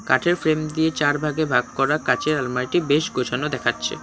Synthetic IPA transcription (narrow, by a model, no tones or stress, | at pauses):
ka̰ʈʰeɾfɾemd̪ijet͡ɕaɾbʱaɡebʱaɡ̚kɔɾakat͡ɕeɾalmajʈibeʃɡot͡ɕʰanod̪ɛkʰatːɕʰḛ